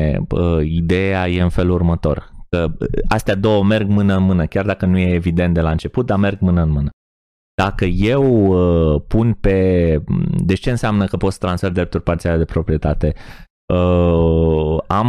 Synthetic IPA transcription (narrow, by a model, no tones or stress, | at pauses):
əid̪e̞jaje̞ɨnfe̞lurmət̪o̞̰rkəast̪ead̪o̞wəme̞rɡmɨnəɨnmɨnəkʲard̪akənuje̞ːvid̪e̞nt̪̚d̪e̞laɨnt͡ʃe̞put̪̚d̪ame̞rɡ̚mɨnəɨnmɨnə | d̪̥akəje̞wəpunpe̞ | d̪e̞t͡ʃe̞ɨnsʲamnəkəpo̞t̪sə̥t̪ɾansferd̪ɾept̪urʲpart̪siale̞d̪epɾo̞pɾije̞t̪at̪e̞ | ə | am